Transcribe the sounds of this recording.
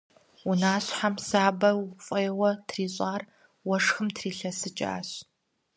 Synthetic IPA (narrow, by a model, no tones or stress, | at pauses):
unaːɕħamsaːbɐfʼɐjɛwɐtʰriːɕʼaːr | wɐʂxɨmtʰriːɬɐsɨt͡ʃʼa̰ːɕ